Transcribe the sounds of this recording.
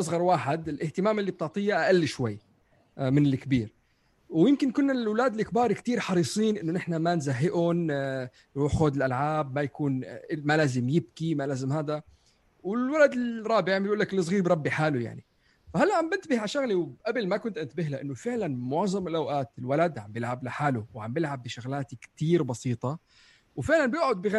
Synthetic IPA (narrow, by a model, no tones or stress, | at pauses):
ʔɑsˤɣɑɾˤwaːħɪd̪ɪlʔɪht̪ɪmaːmɪlːib̚t̪ʊʕt̪ˤijːaʔaʔalːʃwajː | mɪnɪlːɪkbiːɾ | wjɪmkɪnkʊnːalwlaːd̪ɪlʔɪkbɑːɾˤikt̪iːɾħɑɾiːsˤiːnʔɪnːʊnɪħnamanzaɦːɪʔʊn | xoːd̪ɪlʔalʕaːbmajakuːnmalaːzɪmjɪb̚kimalaːzɪmhaːd̪a | wɪlwalad̪ɪɾˤɑːbɪʕambjʔuːlːaklɨsˤɣiːɾbɾˤɑbːiħaːluja̰ʕni | fahalːaʕambɪnt̪bɪhʕaʃaɣliwʔabalmakʊnt̪ʔanɪt̪bɪɦlaʔɪnːʊfɪʕlanmʊʕzˤɑmɪlʔawʔaːt̪ɪlwalad̪ʕambjɪlʕablaħaːlʊwʕambɪlʕabːɪʃʊɣlaːt̪ikt̪iːɾbɑsiːt̪ˤɑ | wfɪʕlanbjɪʔʕʊd̪̚bɪɣa